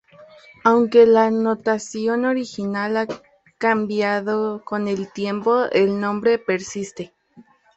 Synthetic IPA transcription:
awŋkelanot̪asjonoɾixinala | kambjaðokonelt̪jempoelnõmbɾepeɾsist̪e

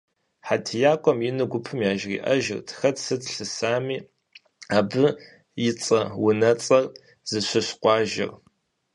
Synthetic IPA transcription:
ħatʰjaːkʷʼɔmjɪnɨɡʷʊpʰɨmjaːʒrḭːʔɐ̰ʒɪ̰rtʰxɐtʰsɨtʰɬɨsaːmiː | aːbɨ | jɪt͡sʼɐwʊnɐt͡sʼɐr | z̥ɨɕʷɐɕqʷʼɑːʒɪ̰r

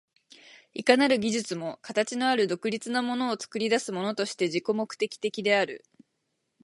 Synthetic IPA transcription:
ikanaɾɯ̟ɡʲiʑɨt͡sɨmo̞kat̪at͡ɕino̞aɾɯ̟d̪o̞kɯ̟ɾʲit͡sɨnamo̞no̞ːt͡sɨ̥kɯ̟ɾʲid̪asɨmo̞no̞t̪o̞ɕi̥t̪e̞ʑiko̞mo̞kɯ̟̥t̪e̞kʲi̥t̪e̞kʲid̪e̞aɾɯ̟̰

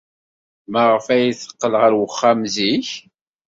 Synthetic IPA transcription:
mæʁəfæjiθə̥qːəlʁəɾwəχːæmziç

